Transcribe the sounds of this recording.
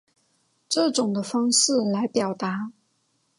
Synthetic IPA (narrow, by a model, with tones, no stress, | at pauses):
ʈ͡ʂɤ˥˩ʈ͡ʂʊ˨˩ŋd̪ə˦fɑ˥ŋʂɻ̩˥˩la˧˥ɪpjɑ˨˩ʊt̪a˧˥